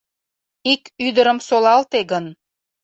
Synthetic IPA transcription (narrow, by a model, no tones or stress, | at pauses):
ikyd̪əɾə̆msolɑlt̪eɣən